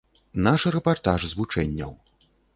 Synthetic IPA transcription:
naʂɾɛpart̪aʐzvut͡ʂɛnʲːɐ̰w

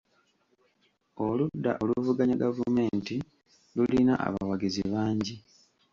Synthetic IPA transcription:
oludːa̰ʔo̞luvuɡaɲaɡavume̞ːnti | lulinaʔa̰βawaɡiziβaːɲɟi

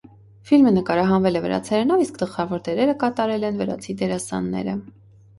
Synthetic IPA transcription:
filmənəkɑɾɑɦɑnvɛlɛvəɾɑ̰t͡sʰɛɾɛnɑviskd̪əlχɑvɔɾd̪ɛɾɛɾəkɑt̪ɑɾɛlɛnvəɾɑ̰t͡sʰid̪ɛɾɑsɑ̰nːɛ̰ɾə

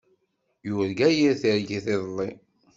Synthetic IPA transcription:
jʊɾɡæjiɾθəɾɡiθeðˤlˤːi

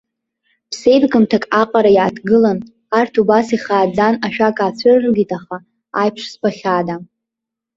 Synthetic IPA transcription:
pʰsejbɡɨmtʰakʼaqʼaɾajaːdɡɨlan | artʰubasiχaːd͡zanaʃᶣakʼaːt͡ɕʷʰɨrrɡʲitʼaχa | a̰jpʰʂspaχʲada

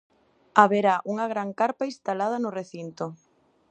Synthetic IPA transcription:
aβeɾaʔuŋɐɣɾaŋkaɾpaist̪alað̞ɐnʊreθint̪o

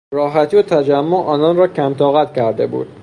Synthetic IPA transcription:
ɾɒːɦæt̪ʰiːot̪ʰæd͡ʒæmːoʔɒːnɒnɾɒːcʰæmt̪ʰɒːɣæt̪cʰæɾd̪e̞̰bṵːd̪̥̚

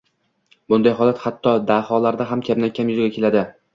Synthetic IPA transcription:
bʊnd̪ajɦɒlat̪hat̪ʰːɒd̪ahɒlaɾd̪aɦamkʲʰabnakʲʰamjʊzɡʲakʲʰe̞lad̪ɪ

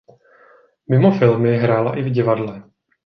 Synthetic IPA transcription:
mɪmo̞fɪlmɪɦɾaːla̰ʔɪvɟɪvadlɛ

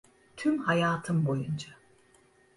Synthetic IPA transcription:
t̪ʰymhajaːt̪ʰɯmbo̞jund͡ʒa

